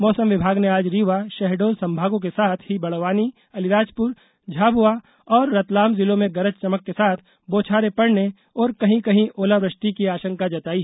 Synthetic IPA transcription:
mɔːsəmʋɪbʱaːɡneaːd͡ʒɾiːʋaʃɛɦɖoːlsɐ̃mbʱaːɡõkesaːt̪ʰɦibɐɽʋaːni | ɐlɪɾaːd͡ʒpʊɾ | d͡ʒʱaːbua | ɔːɾːɐt̪laːmzɪlõmẽɡɐɾət͡ʃt͡ʃɐməkːesaːt̪ʰ | boːt͡ʃʰaːɾepɐɽne | ɔːɾkɐɦĩkɐɦĩʔoːlaʋɾəʃʈ̪ikiaːʃə̃ŋkad͡ʒɐt̪aːi

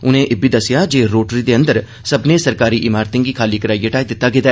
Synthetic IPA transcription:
ʊnẽːʔɪbiːd̪əsɪjaːd͡ʒeːɾoːʈɾid̪eːə̃nd̪əɾ | səbnẽːsəɾkaːɾiːʔɪmaːɾt̪ɪ̃ŋɡiːkʰaːliːkəɾaːiːeʈaːid̪ɪt̪ːaɡɪd̪a

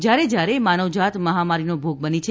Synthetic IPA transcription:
d͡ʒjaɾed͡ʒjaɾemanəʋd͡ʒat̪məɦamaɾinobʱoɡ̚bənit͡ʃʰe

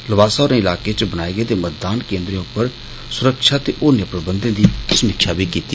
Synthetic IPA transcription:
ləbaːsaːɾẽːɪlaːkeːt͡ʃbənaːeːɡeːt̪eːmət̪̚d̪aːnkẽːnd̪ɾẽʊpːəɾ | sʊɾəkʃaːt̪eːʔoːnjpɾəbənd̪ẽːd̪iːsəmɪkʃʰaːbʱiːkiːt̪iː

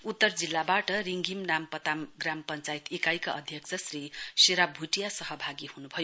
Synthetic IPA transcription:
ut̪ːʌrd͡zilːabaʈʌɾiŋɡʱimnampʌt̪amɡrampʌnt͡sajt̪ekajkaʔʌd̪ʱjʌksʰʌsriseɾabbʱuʈijasʌɦʌbʱaɡihunubʱʌjo

